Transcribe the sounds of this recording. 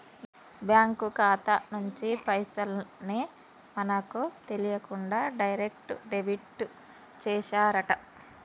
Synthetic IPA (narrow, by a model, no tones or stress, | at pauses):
bjaːŋkukaːt̪ɐnuɲt͡ʃipɐjsɐlni | mɐnɐkut̪e̞lijɐkuɳɖaːɖɐjɾek̚ʈuɖeʋiʈːu | t͡ʃɛːʃaːɾɐʈɐ